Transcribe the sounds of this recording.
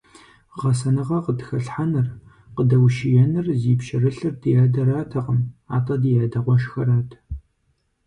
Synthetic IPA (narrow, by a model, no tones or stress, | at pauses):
ʁɐsɐnɨʁɐqədxɐɬħanɨr | qədɐwʃɪjɛnɨrziːpʃɪrɨɬɨrdɨjaːdɐɾaːtʰɐʁəma̰ːtʰʼɐdijaːdɐʁʷɔʃxɐɾaːtʰ